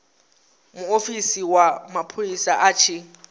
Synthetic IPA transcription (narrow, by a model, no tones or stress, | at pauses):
muofisiwamapʰoisaʔaːt͡ʃʰi